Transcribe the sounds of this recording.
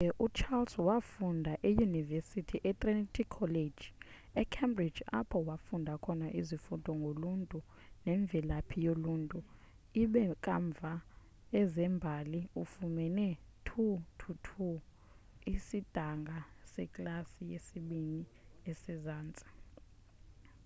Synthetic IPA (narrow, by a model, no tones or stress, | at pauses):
ʔut͡ʃʰalswafundʱaʔejunivesitʰiʔɛt̪ʼrɛntʰʼikʰːɔle̥d͡ʒ | ɛkʰɛmbri̥d͡ʒa̰pʰɔwafundʱakʰɔnaʔizifudʱɔŋɡʱoluntʼu | nɛɱb̪vʱɛlapʰijoluːntʼu | iɓɛkʼaɱb̪vʱa | ɛzɛmbʱaliufumɛnɛ | tʰutʰutʰu | isid̥ʱaŋɡʱasɛkʼlasijesiɓiniesɛzaːnt͡sʼi̥